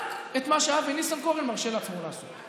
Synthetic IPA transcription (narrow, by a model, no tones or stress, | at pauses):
et̪maʃeavenisamkoʁenmaʁʃelat͡smolaːsu